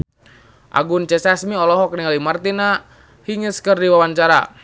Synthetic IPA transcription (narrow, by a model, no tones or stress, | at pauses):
ʔa̰ɡunt͡ʃɛsasmiɔlɔɦɔk̚niŋalimart̪ina | hiŋəskərdiwawaɲt͡ʃaɾa